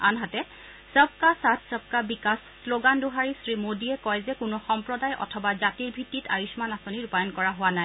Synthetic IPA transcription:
a̰nɦatɛ | səb̚kasatʰsəb̚kabikassloɡanduɦaɹisɹimodiɛkɔjzɛkʊnɔxɔmpɹɔdajʔɔ̰tʰɔbazatiɹbʱitːitʰa̰jusmanasoniɹupajɔnkɔɹaɦʊwanaj

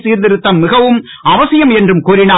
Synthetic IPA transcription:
siːɾd̪ɪɾɯt̪ːɐmːɪɣɐʋɯm | ɐʋɐsɪjɐmɛndrɯmkuːɾɪnaː

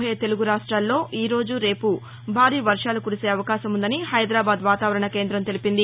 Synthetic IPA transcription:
eɐt̪e̞luɡuɾaːʂʈɾaːllo̞ːʔiːɾo̞ːd͡ʒuɾe̞ːpu | bʱaːɾiːʋɐɾʂaːlukuɾise̞ːɐʋɐkaːʃɐmund̪ɐnihɐjd̪ɾaːbaːd̪ʋaːt̪aːʋɐɾɐɳɐke̞ːnd̪ɾɐmt̪e̞lipind̪i

